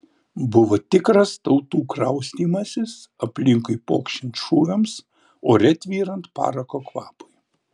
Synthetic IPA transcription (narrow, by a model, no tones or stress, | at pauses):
bʊʋot̪ʲɪkɾɐst̪ɒʊt̪uːkɾɐʊsʲt̪ʲiːmɐsʲɪsɐpʲlʲɪŋkʊɪpo̰ːkʃʲɪnʲt̪ʃuːʋʲɛms | oːɾʲɛt̪ʲʋʲiːɾɐnt̪pɑ̰ːɾɐkoːkʋɑːpoɪ